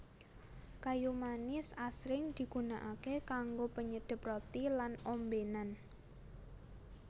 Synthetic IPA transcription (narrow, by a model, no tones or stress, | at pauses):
kajumanɪsasɾɪŋd̪̥i̤ɡ̥unaʔakekaŋɡopəɲəd̥ɪ̤prot̪ilanombenan